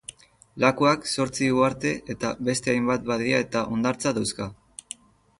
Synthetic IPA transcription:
lakuakso̞ɾt͡siɣuaɾt̪e̞ʔet̪aβe̞st̪e̞ajmbat̪̚baðiae̞t̪aʔo̞nd̪aɾt͡saðawska

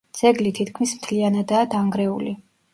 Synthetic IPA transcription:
d̪z̥ɛɡlit̪ʰit̪ʰkʰmismt̪ʰlianad̪aːd̪aŋɡɾɛṵli

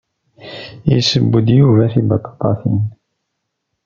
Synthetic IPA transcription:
jəsəbːəd̪juvæfibɑt̪ˤːɑ̥t̪ˤːɑfḭn

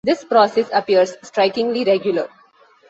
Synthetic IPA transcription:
d̪ɪspɾɔːsesɐpiəɾsːʈɾaɪkɪ̃ŋliɾeɡjʊləɾ

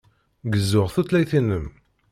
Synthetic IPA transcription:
ɡəzːʊʁθut̪læjθinəm

